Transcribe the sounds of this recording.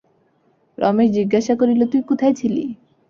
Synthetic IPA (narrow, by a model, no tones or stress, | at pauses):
ɾʔɔ̰meɾd͡ʑiɡːaʃakoɾilot̪ujkot̪ʰajt͡ɕʰilḭ